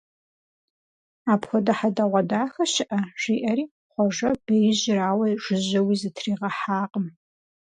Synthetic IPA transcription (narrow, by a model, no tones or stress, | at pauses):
aːpxʷɔdɐħadɐʁʷɐdaːxɐɕɪʔɐʒ̥ʷiːʔɐɾiː | χʷɔʒɐb̥ɐjɪʑɪraːwɐʒʊʑɐwiːzɨtʰriːʁɐħaːqəm